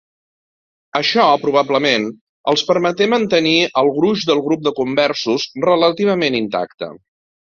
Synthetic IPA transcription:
əʃɔpɾuβ̞abləmen | əlˠspəɾmət̪emənt̪əniəlˠɣɾuʒd̪əlˠɣɾup̚d̪əkumbɛrsuzrələt̪iβ̞əmenint̪a̰kt̪ə̰

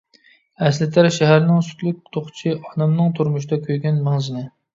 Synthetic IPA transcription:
ɛslɪt̪ʰæɾʃɛɦæɾnɪŋsy̥t̪lyk̚ʲt̪ʰoχt͡ʃʰiʔɑnɛmnɨŋt̪ʰuɾmʊʃ̬ɪd̪ɑkʲʰøjɡʲɛnmæŋzɪnɪ

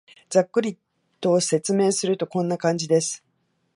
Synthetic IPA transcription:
d͡zakːɯ̟ɾʲit̪ː | o̞ːse̞t͡sɨme̞ːsɨɾɯ̟t̪o̞kõ̞nːakãɲ̟d͡ʑid̪e̞sɨ̥

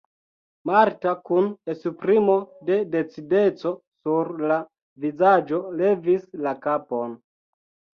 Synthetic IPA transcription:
maɾtakunesupɾimo̞de̞de̞t͡side̞t͡so̞suɾla | vizad͡ʒo̞le̞vislakapo̞n

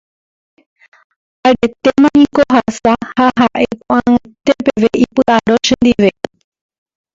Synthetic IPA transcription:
aɾe̞t̪emãnĩkoɦasahaɦaʔepõʔãẽt̪epeʋeʔipɨʔaɾoʃẽnd̪iʋe̞

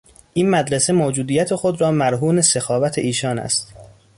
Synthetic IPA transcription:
ʔiːnmæd̪ɾese̞moːd͡ʒuːd̪iːjæt̪ʰe̞xod̪ɾɒːmæɾɦuːnesexɒːvæt̪ʰeiːʃɒːnæ̰st̪

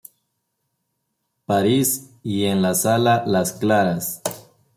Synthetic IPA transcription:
paɾis | ienlasalalasklaɾas

